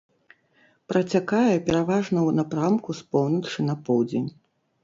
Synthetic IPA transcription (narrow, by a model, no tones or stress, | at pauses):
pɾɐt͡sʲakajɛpʲɛɾavaʐnɐwnapɾamkuspɔwnɐt͡ʂɨnɐpɔwd͡zʲenʲ